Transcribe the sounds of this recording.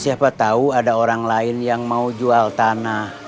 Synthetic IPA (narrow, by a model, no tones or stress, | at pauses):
siapat̪auadaoɾaŋlaɪnjaŋmaud͡ʒualt̪anah